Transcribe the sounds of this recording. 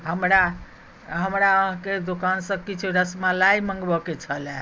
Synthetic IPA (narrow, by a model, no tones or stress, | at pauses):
ɦəmɾa | ɦəmɾaəɦked̪okansə̃kit͡ʃʰuɾəsmalaiməŋɡbəket͡ʃʰəle